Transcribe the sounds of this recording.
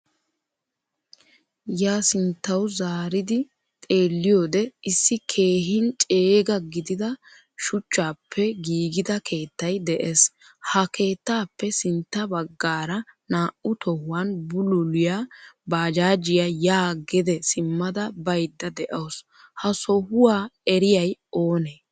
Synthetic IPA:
jaːsɪnt̪ːɐwzaːɾɪd̪ɪ | t̪ʼe̞ːlːɪjoːd̪ɛɪsːɪkʰe̞ːɦɪnt͡ʃʼeːɡɐɡɪd̪ɪd̪ɐ | ʃʊt͡ʃːaːpʰːɛɡiːɡɪd̪ɐkʰe̞ːt̪ːɐjd̪ɛʔes | hɐke̞ːt̪ːaːpːɛsɪnt̪ːɐbɐɡːaːɾɐnaːʔʊt̪ɔhʊwanbʊlʊlɪjabaːd͡ʒaːd͡ʒɪjajaːɡɛd̪ɛsɪmːɐd̪ɐbɐjd̪ːɐd̪ɛʔɐws | hɐsɔhʊwaːɛɾɪjɐjoːneː

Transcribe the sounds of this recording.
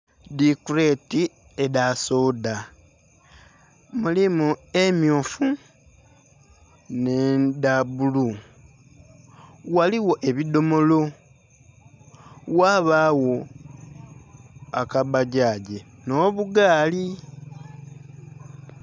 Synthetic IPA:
dikuɾeti | edasoda | mulimue̞mjoːfu | nendabulu | waliwo̞ʔe̞βido̞mo̞lo̞ | waβaːwo̞ | akabaɟaːɟe̞no̞βuɡaːli

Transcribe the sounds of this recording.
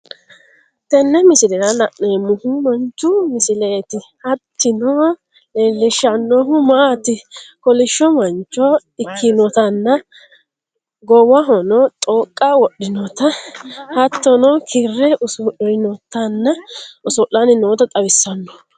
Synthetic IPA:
t̪ɛnːɛmɪsɪlɛɾɐlɐʔnemʊhʊmɐnt͡ʃːʊmɪsɪleːt̪ɪhɐt̪ːɪnɔ | leːlːɪʃɐnːɔɦʊmaːt̪ɪkɔlɪʃːɔmɐnt͡ʃːɔɪkʰːɪnɔt̪ɐnːɐ | ɡɔwɐɦɔnɔt̪ʼoːkʼːɐwɔɗːɪnɔt̪ɐhɐt̪ːɔnɔkʰɪrːɛʔʊsɔʔɔjnɔt̪ːɐnːɐʊsɔʔanɪnoːt̪ɐt̪ʼɐwɪsːɐnːɔ̥

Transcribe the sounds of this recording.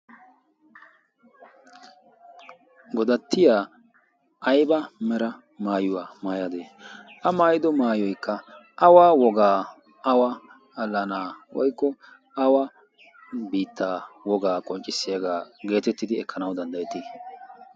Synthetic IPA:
ɡɔd̪ɐt̪ʰːɪjaː | ʔɐjbɐmɛɾɐ | maːjʊwaːmaːjɐd̪eːʔɐmaːjɪd̪ɔmaːjɔjkːɐ | ʔɐwaːwɔɡaː | ɐwɐ | ɐlːɐnaːwɔ̰jkːɔ | ɐwa | biːt̪ʰːaːwɔɡaːkʼɔnt͡ʃʼːɪsːɪjɐɡaːɡe̞ːt̪ɛt̪ːɪd̪ɪɛkʰːɐnɐwd̪ɐnd̪ɐjɛt̪ːiː

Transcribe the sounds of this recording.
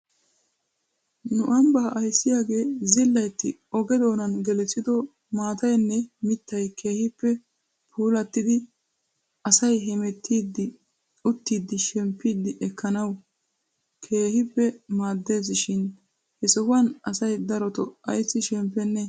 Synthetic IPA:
nʊʔɐmbɐʔɐjsːɪjaːɡe̞ːzɪlːɐjt̪ːɪɔɡɛd̪o̞ːnɐnɡɛlɛt͡sːɪd̪ɔ | maːt̪ɐjnːɛmɪt̪ːɐjkʰe̞ːhɪpːɛ | pʰuːlɐt̪ːɪd̪ɪ | ɐsɐjɦɛmɛt̪ʰːid̪ɪ | ʊt̪ːiːd̪ːɪʃɛmpːiːd̪ːɪʔɛkʰːɐnɐw | kʰe̞ːhɪpːɛmaːd̪ːe̞ːzɪʃɪn | hɛsɔhɐnɐsɐjd̪ɐɾɔt̪ɔɐjsːɪʃɛmpːɛnːɛ

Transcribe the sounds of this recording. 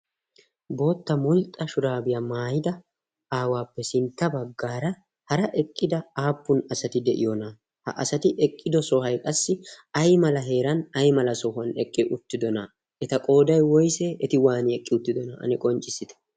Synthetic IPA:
bo̞ːt̪ːɐmʊlt̪ʼːɐʃʊɾaːbɪjamaːjɪd̪ɐ | aːwaːpːɛsɪnt̪ːɐbɐɡːaːɾɐ | hɐɾɐʔɛkʼːɪd̪ɐaːpːʊnɐsɐt̪ɪd̪ɛʔɪ̰jɔna | hɐ̰ʔɐ̰sɐt̪ɪʔɛkʼːɪd̪ɔsɔhɐjkʼɐsːɪɐjmɐlɐɦe̞ːɾɐnɐjmɐlɐsɔhɐnɛkʼːɪʔʊt̪ːɪd̪ɔnɐ | ʔɛt̪ɐkʼo̞ːd̪ɐjwɔjseʔɛt̪ɪwaːnɪɛkʼːɪʊt̪ːɪd̪ɔnɐʔɐ̰nɛkʼɔnt͡ʃʼɪsɪt̪ɛ̥

